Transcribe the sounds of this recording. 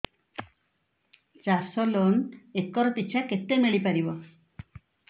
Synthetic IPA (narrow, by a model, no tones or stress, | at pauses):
t͡ʃasɔlɔnekːɔɾɔt̪iɕʰaket̪ːemeɭipaɾibɔ